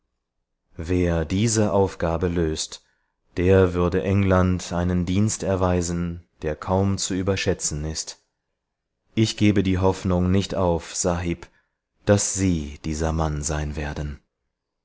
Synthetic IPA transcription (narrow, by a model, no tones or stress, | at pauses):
veːɐdiːzəʔaʊfɡ̥aːbəløːst | d̥eːɐvʏɐdəʔɛŋlantʰʔaɪnəndiːnstɛɐvaɪzn̩d̥eːɐkʰaʊmt͡suyːbɐʃɛt͡sn̩ɪst | ʔɪçɡ̥eːbədiːɦɔfnʊŋnɪçtʔaʊfz̥aɦiːp | d̥asz̥iːd̥iːzɐmanzaɪnveːɐdn̩